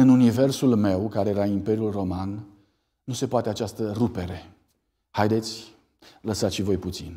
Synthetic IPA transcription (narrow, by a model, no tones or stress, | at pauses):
ɨnunive̞rsulme̞wkaɾe̞jeɾaimpe̞ɾjulro̞man | nuse̞poat̪e̞at͡ʃast̪ərupe̞ɾe̞ | hajd̪e̞t̪sʲ | ləsat̪ʃivo̞jput̪sḭn